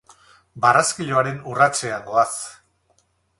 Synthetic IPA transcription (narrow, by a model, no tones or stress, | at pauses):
baraskiʎo̞aɾe̞nurat͡seaɡo̞as